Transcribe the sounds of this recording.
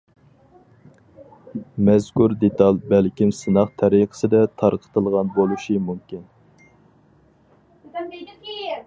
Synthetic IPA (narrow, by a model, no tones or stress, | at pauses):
mɛzkuɾd̪et̪ɑlˠbælkʲimsɨnɑqt̪ʰɛɾiqə̥sɨd̪ɛt̪ʰɑɾqʰə̥t̪ʰəlˠʁɑnbolˠuʃimumkʲin